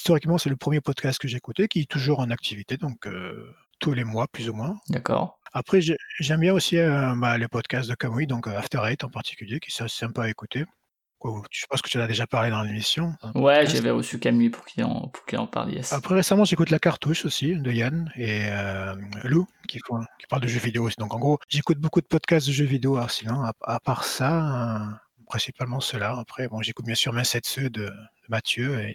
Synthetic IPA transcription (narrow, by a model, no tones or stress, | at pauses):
ist̪ɔʁikmɑ̃sɛləpχəmjepɔd̪kast̪̚kəʒeekut̪ekʲiɛt̪uʒuʁɑ̃nak̚t̪ʰivit̪ed̪ɔ̃kø̰ | t̪ʰulemwaplyzumwɛ̃d̪akɔ̰ʁapχɛʒəʒɛmbjɛ̃osiøbaləpɔd̪kast̪̚d̪əkamwid̪ɔ̃køaft̪ɛʁajt̪ɑ̃paʁt̪ʰi̥kʲyljekʲi̥sɛsi̥sɛ̃paaekut̪e | kwat̪y̥ʒ̥pɑ̃skə̥t̪yɑ̃nad̪eʒapaʁled̪ɑ̃lemisjɔ̃wɛʒavɛʁəsykamwipuʁkiɑ̰̃pu̥ʁkilɑ̰̃pa̰ʁljɛ̰sapχɛʁesamɑ̃ʒekut̪lakaʁt̪uʃosid̪əjaneølukʲifɔ̃kʲi̥paʁld̪əʒøvid̪eoːsid̪ɔ̃kɑ̃ɡʁoʒekut̪̚bokud̪əpɔd̪kast̪̚d̪əʒøvid̪eoasilɑ̃aapaʁsaø | pχɛ̃sipalmɑ̃səlaapχɛbɔ̃ʒekut̪̚bjɛ̃syʁmɛ̃sɛt̪sød̪əd̪̥əmat̪jøe